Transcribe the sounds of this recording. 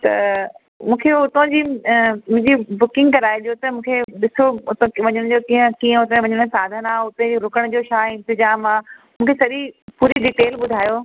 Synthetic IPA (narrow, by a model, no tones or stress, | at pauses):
t̪ɐ̰ | mũːkʰeʊt̪õd͡ʑiːmʊ̃ɦɪ̃ɲd͡ʑibʊkɪ̃ŋɡkɐɾaːeɗijot̪ɐmũːkʰeɗɪsoʊt̪ʋɐɲəɽ̃d͡ʑoːkĩːə̃kiːə̃ʊt̪ẽʋɐɲəɽ̃saːd̪ʱənaːʊt̪ẽd͡ʑiɾʊkəɽ̃d͡ʑoːʃaːɪ̃nt̪ɪd͡ʑaːmaː | mũːkʰesɐɗipuːɾiɖiːʈeːlɓʊd̪ʱaːjoː